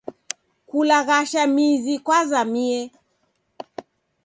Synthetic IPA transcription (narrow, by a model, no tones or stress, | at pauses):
kulaɣaʃamizikwazamiɛ